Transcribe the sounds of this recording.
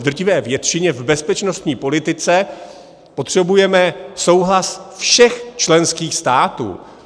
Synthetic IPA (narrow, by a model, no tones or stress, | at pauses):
d̪r̩cɪvɛːvjɛt̪ʃɪɲɛvbɛspɛt͡ʃno̞st̪ɲiːpo̞lɪt̪ɪt͡sɛ | po̞t̪r̝̥ɛbujɛmɛso̞wɦlasfʃɛxt͡ʃlɛnskiːxst̪aːt̪ṵː